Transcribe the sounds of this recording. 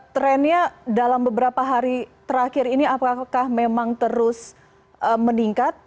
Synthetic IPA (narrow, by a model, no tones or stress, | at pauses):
t̪ɾɛnɲadalambəbəɾapaɦaɾit̪əɾakɪɾiniapakahmemaŋt̪əɾʊs | ʔəməniŋkat̪̚